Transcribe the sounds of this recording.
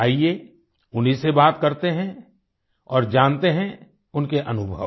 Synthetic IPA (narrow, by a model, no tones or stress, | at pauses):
aːie | ʊnisebaːt̪kɐɾt̪eɦɛ̃ | ɔːɾd͡ʒãːnt̪eɦɛ̃ | ʊnkeʔɐnʊbʱə̰